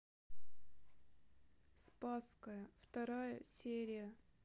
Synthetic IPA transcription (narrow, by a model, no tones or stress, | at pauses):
spaskəjəft̪ɐɾajəsʲeɾʲɪjə